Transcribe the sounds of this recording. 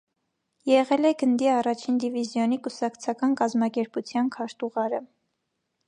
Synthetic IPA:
jɛʁɛlɛɡənd̪iɑrɑt͡ʃʰind̪ivizjɔnikusɑkt͡sʰɑkɑnkɑzmɑkɛɾput͡sʰjɑnkʰɑɾt̪uʁɑɾə

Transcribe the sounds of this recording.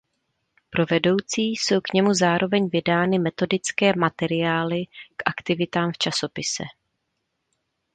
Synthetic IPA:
pɾo̞vɛdo̞wt͡siːso̞wkɲɛmuzaːɾʔo̞vɛɲvɪdaːnɪmɛt̪o̞dɪt͡skɛːmat̪ɛɾɪjaːlɪkʔakt̪ɪvɪt̪aːmft͡ʃaso̞pɪsɛ̰

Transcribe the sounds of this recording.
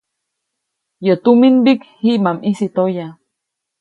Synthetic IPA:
jot̪uminbikhiʔmamisit̪oja

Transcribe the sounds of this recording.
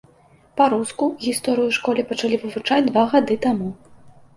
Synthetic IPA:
paɾuskuɣʲist̪ɔɾɨjuʂkɔlʲipɐt͡ʂalʲivɨvut͡ʂad͡zʲd̪vaɣad̪ɨt̪amu

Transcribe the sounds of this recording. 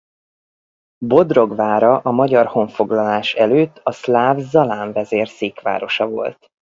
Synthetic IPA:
bo̞d̪ro̞ɡvaːɾɒʔɒmɒɟɒrho̞ɱfo̞ɡlɒlaːʃɛløːt̪ːɒslaːvzɒlaːɱvɛzeːrseːkʋa̰ːɾo̞ʃɒvo̞̰lt̪

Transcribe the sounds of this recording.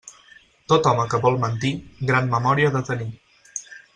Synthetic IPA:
t̪ot̪ɔməkəβɔlˠmənt̪iɡɾanməmɔɾiəðət̪əni

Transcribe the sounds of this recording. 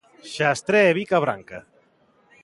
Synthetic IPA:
ʃast̪ɾeːβikaβɾa̰ŋka

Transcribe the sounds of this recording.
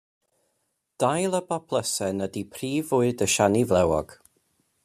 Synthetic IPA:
d̥ajlˠəbapʰlˠəsɛnədipʰriːvʊɨdəʃanivlɛwɔ̰ɡ̥

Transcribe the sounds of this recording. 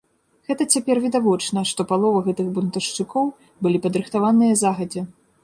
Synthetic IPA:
ɣɛt̪ɐt͡sʲapʲɛrvʲid̪avɔt͡ʂnɐʂt̪ɔpalˠɔvɐɣɛt̪ɨɣbunt̪ɐʂt͡ʂɨkɔw | bɨlʲipɐd̪ɾɨxt̪avanɨjɐzaɣɐd͡zʲɛ

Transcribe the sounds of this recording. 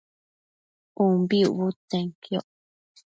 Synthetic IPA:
ũmbiuβut̪ẽŋkjoʔ

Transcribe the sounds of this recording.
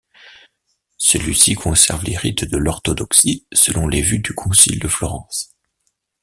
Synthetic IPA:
səlɥisikʰɔ̃sɛʁvleʁit̪d̪əlɔʁt̪ɔd̪ɔksisəlʔɔ̃levyd̪ykʰɔ̃sḭld̪əflɔʁɑ̃s

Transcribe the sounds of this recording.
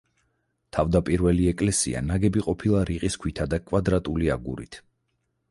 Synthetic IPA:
t̪ʰavd̪apʼiɾvɛliɛkʼlɛsḭa̰naɡɛbiqʼɔpʰilˠaɾiqʼiskʰwit̪ʰad̪akʼvad̪ɾat̪ʼulia̰ɡuɾḭt̪ʰ

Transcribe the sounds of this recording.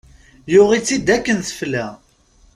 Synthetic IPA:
jʊʁit͡sːid̪ækːənθəflːæ

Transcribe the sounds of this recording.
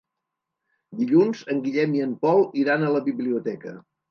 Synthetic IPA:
d̪iʎunzəŋɡiʎɛmiəmpɔlˠiɾanələβiβliut̪ɛkə

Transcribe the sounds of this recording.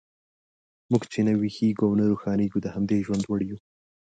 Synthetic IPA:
muɡt͡ʃenawihiɡuawnəɾuxɑneɡud̪əhamd̪eʒwand̪wəɽju

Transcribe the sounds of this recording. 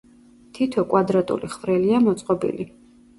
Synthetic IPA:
t̪ʰit̪ʰɔkʼwad̪ɾat̪ʼṵliχvɾɛliamɔt̪sʼqʼɔbḭli

